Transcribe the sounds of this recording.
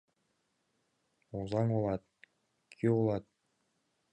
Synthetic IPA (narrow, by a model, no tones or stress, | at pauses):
uzɑŋolˠɑt̪̚ | kʲʰiolˠɑt̪̚